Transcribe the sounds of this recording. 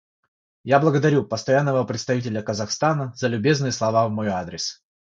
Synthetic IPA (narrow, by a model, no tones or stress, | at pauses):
jablˠəɡəd̪ɐɾʲupəst̪ɐjanːəvəpɾʲɪt̪st̪ɐvʲitʲɪlʲəkəzɐxst̪anəzəlʲʊbʲe̞znɨjəslˠɐvavmojad̪ɾʲɪs